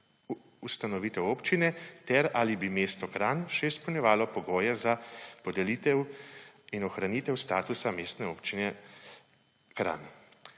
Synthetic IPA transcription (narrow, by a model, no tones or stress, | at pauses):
ust̪anɔʋiːt̪ɛwoːpt͡ʃinɛt̪ɛɾalibimeːst̪ɔkɾaːnʃɛispɔwnʲjɛʋaːlɔpɔɡoːjɛzapɔd̪ɛlit̪ɛw | inɔxɾaniːt̪ɛwst̪a̰ːt̪usameːst̪nɛoːpt͡ʃinɛ | kɾa̰ːni